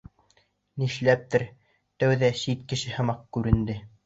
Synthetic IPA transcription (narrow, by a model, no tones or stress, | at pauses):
niʃlæp̚t̪ɘɾ | t̪æwðæʃit̪kɘ̆ʃɘhɤ̆mɑq̚kʉɾɘ̆nd̪ɘ